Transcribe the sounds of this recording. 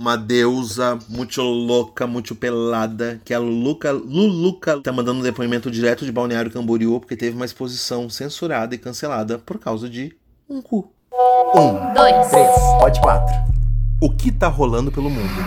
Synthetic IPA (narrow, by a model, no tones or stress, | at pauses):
umɐd̪ewzɐmũj̃t̪ʊlokɐmũj̃t̪ʊpelad̪ɐkɪɐlukɐlulukɐt̪amɐ̃nd̪ɐ̃d̪ʊ̃d̪epoimẽnt̪ʊd͡ʒiɾɛt̪ʊd͡ʒɪbawniaɾjʊkɐ̃boɾiopoɾket̪evɪumɐispozisɐ̃w̃sẽsuɾad̪ɐɪkɐ̃selad̪ɐpoɾkawzɐd͡ʒɪ | ũku | ũd̪ojt̪ɾespɔt͡ʃɪ̥kwa̰t̪ɾʊʊkɪt̪aɦolɐ̃nd̪ʊpelʊmũd̪ʊ